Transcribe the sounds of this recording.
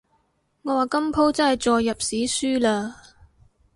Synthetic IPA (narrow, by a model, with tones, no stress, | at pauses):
ŋɔː˨˧waː˨˩kɐ˥mpʰo˥wt͡sɐ˥nhɐ˨jt͡sɔː˨jːɐ˨p̚siː˨˥syː˥laː˧